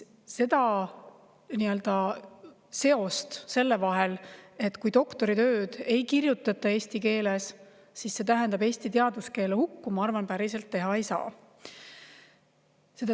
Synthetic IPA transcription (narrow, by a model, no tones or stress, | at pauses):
se̞d̪ɑ | niø̞ld̪ɑ | se̞o̞st̪se̞lːe̞vɑɦe̞le̞t̪ːˑkuj̪o̞kt̪o̞ɾit̪øːd̪̥e̞jkirjut̪ːˑɑt̪ːˑɑe̞ːst̪ike̞ːles | sisse̞t̪æɦend̪ɑbe̞ːst̪it̪eɑd̪uske̞ːlehukːumɑɑrvɑnpæɾise̞lt̪ːe̞ɦɑejsɑ̰ː | se̞d̪ɑ